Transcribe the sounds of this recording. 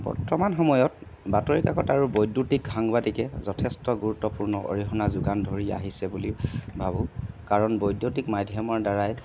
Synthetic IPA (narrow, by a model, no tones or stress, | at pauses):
b̥ɔ̰ɹtɔmanxɔmɔjɔt | batɔɹikaɡɔtaɹubojdutik̚aŋbadikɛzɔtʰɛstɔɡuɹutːɔpuɹnɔʔo̰ɹiɦɔnazʊɡandʱoɹia̰ɦisɛbulibʱabukaɹɔnbojdjutikmadʱjɔmɔɹdaɹaj